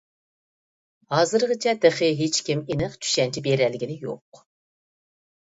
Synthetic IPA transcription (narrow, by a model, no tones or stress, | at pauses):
hɑːzɨɾʁɨt͡ʃʰɛt̪eχɨɦet͡ʃkʲʰiminɨqt͡ʃ̪ʰy̥ʃɛnt͡ʃʰibeɾɛlːɪɡʲinɪjo̰q